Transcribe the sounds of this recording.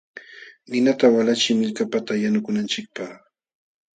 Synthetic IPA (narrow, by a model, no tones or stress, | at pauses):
nɪnat̪awalat͡ʃɪmɪʎkapat̪ajanʊkʊnant͡ʃɪk̚paχ